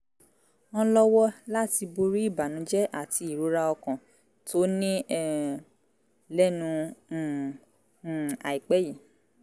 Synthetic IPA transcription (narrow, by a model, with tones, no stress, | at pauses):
ɔ̃˧lɔ˦wɔ˦la˦ti˧bo˧ɾi˦i˦˨ba˨nũ˨˦d͡ʒɛ˦ʔa˦˨ti˧i˦˨ɾo˨˦ɾa˦ɔ˧kɔ̃˨ | tʰo˦nĩ˦ɛ˦˨ | lɛ˦nũ˧˨ | a˨i˨k͡pɛ˦ji˦˨